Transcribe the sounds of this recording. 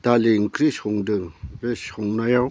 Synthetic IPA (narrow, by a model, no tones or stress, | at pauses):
t̪aleŋkriɕʰoŋnd̪əreɕʰoŋnajaŋ